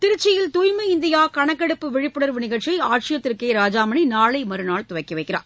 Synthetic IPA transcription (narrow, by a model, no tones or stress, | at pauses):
t̪ɪɾɯt͡ʃːɪjɪlt̪ujmɐɪnd̪ɪjaːkɐɳɐkːɛɽɯpːɯʋɪɻɪpːɯɽɐɾʋɯnɪɣɐʈt͡ʃːɐɪaːʈʂɪjɐt̪ːɪɾkeɪɾaːd͡ʒaːmɐɳinaːɭɐɪmɐɾɯnaːɭt̪ʊʋɐɪkːɪʋɐɪkːɪra̰ːɾ